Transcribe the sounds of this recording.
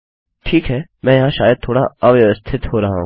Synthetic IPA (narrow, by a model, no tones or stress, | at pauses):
ʈʰiːkɦɛːmɛ̃ːjɐɦãʃaːjəd̪̚t̪ʰoːɽa̰ɐʋjʋəst̪ʰɪt̪ɦoːɾɐɦa̰ɦṵ̃